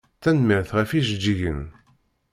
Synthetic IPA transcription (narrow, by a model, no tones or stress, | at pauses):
θænmiɾθʁæfiʒəd͡ʒːiʝən